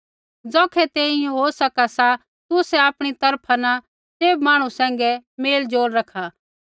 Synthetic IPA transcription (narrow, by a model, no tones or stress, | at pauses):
d͡zɔːkʰɛt̪ẽːɪ̃jɦosɐkasa | t̪ʊsɛaːpɽ̃it̪ɐɾpʰana | seːbmaːɽ̃ũsɛ̃ːŋ̆ɡɛmeːld͡zoːɾɾɐkʰa